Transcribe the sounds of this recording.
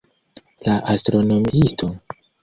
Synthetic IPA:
laʔastɾo̞nomiistʰo̞

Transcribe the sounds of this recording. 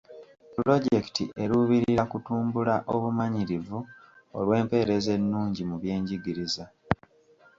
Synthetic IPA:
pulo̞ɟe̞ktḭʔe̞ɾuβiɾiɾakutuːmbulaʔoβumaɲiɾivu | o̞̰lwe̞ːmpe̞ːɾe̞ze̞nːuːɲɟimuβje̞ːɲɟiɡiɾiza

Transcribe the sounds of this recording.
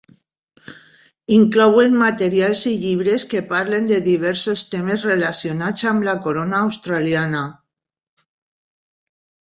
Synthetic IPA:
iŋklowenmat̪eɾjalsiʎiβ̞ɾeskepaɾlend̪eðiβ̞ɛɾsost̪emezrelasjonat͡samlakoɾonaːwst̪ɾaljana

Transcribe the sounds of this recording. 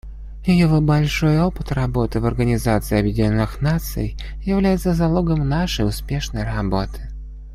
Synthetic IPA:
jɪjɪvobɐlʲʂojopɨt̪rɐbo̞t̪ɨvɐrɡənʲɪzat̪sɨɪɐbjɪdʲɪnʲonːɨxnat̪sɨ̰j | jɪvlʲæjɪt̪səzɐlˠoɡəmnaʂəjʊspʲeʂnəjrɐbo̞t̪ʰɨ̥

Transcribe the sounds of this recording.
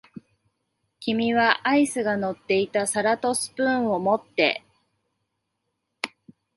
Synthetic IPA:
kʲimʲiβaʔaisɨɡano̞t̪ːe̞it̪asaɾat̪o̞sɨ̥pɯ̟̃ɰ̃o̞mo̞t̪ːe̞̰

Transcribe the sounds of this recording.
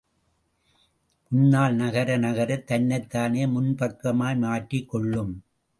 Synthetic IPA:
mʊnːaːɭnɐɣɐɾɐnɐɣɐɾɐt̪ːɐnːɐɪt̪ːaːneːmʊnpɐkːɐmaːjmaːʈrikːɔɭːɯm

